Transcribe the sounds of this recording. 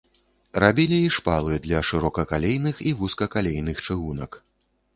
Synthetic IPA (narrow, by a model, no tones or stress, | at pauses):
ɾabʲilʲiːʂpalˠɨd̪lʲɐʂɨɾɔkɐkalʲejnɨxivuskɐkalʲejnɨxt͡ʂɨɣunɐ̰k